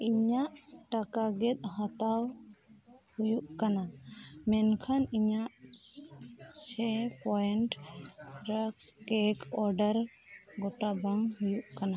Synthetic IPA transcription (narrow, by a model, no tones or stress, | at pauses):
iɲaʔʈakaɡɛt̪̚ˀhat̪aw | hujuʔkanamɛnkʰaniɲaʔ | t͡ʃʰɛpɔɛɳʈ | ɾəkkɛkɔɾɖəɾ | ɡɔʈabaŋɦujuʔkana